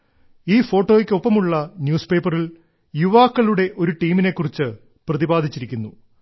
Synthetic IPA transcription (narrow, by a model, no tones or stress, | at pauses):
iːfo̞ːʈːoːjikʲːɨopːɐmuɭːɐnjuːspe̞ːpːɐril | juʋaːkːɐɭuɽe̞ʔo̞ɾuʈiːmine̞kːurit͡ɕːɨ | prɐðibaːd̪ʱit͡ɕːiɾikʲːunːu